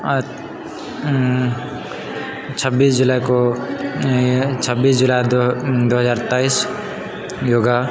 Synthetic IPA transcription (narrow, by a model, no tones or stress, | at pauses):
t͡ʃʰʌbːiːsd͡ʒulajko | t͡ʃʰʌbːiːsd͡ʒulajdd̪oɦəzaːɾt̪ais | joːɡa